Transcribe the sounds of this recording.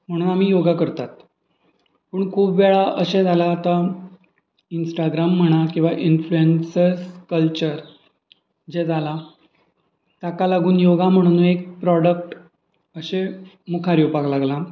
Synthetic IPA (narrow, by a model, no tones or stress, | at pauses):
m̤əɽ̃uːnam̤iːjoɡakəɾt̪at̪ | pəːɳkʰuːpʋɛɭaʔəɕẽd͡zalaːt̪a | insʈaɡɾamːəɽ̃akĩw̃ʋaʔinfluensəɾskəlt͡ɕəɾ | d͡ʑed͡zala | t̪jakalaɡuːnjoɡam̤əɽ̃uñuːnek̚pɾɔɽək̚ʈ | əɕe | mukʰaɾjopaklaɡla